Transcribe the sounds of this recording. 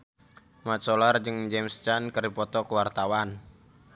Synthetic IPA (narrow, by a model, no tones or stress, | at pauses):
mat͡ʃɔlard͡ʒɨŋd͡ʒɛmst͡ʃankəripɔt̪ɔkəwart̪awan